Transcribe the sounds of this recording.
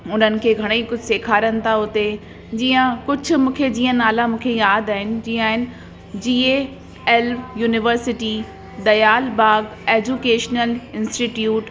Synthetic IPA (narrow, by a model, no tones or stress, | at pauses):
ʊn̤ənɪ̆kʰeːɡʱɐɽ̃eikʊd͡ʑʱseːkʰaːɾənɪ̆t̪ʰaɦʊt̪e | d͡ʑiːə̃kʊd͡ʑʱʊ̆mũːkʰed͡ʑiːə̃naːlamũːkʰejaːd̪aːɦɪnɪ̆d͡ʑĩːaːɦɪnɪ̆ | d͡ʑiːe | ɛlʋjuːnɪʋəɾsɪʈi | d̪ɐjaːlbaːɡeːd͡ʑuːkeːʃnəlɪ̃nsʈiʈjuːʈ